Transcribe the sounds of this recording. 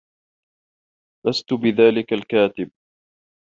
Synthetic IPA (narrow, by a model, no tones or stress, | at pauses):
last̪ʊbɪðaːlɪkalkaːt̪ɪb̚